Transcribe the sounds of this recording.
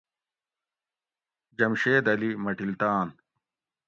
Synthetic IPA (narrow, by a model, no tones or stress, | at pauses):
d͡ʑɐmɕeːd̪ɐlimɐʈilt̪aːn